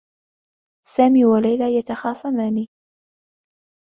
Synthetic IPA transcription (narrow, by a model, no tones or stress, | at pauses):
saːmiːwalajlajat̪ɑxɑːsˤɑmaːniː